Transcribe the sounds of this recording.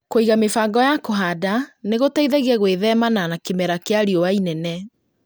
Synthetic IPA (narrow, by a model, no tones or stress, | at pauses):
koiɣamefaːɡɔjakoɦadaneɣotaiðɛɣɛɣweðɛmananakemɛɾakeaɾiɔwainɛnɛ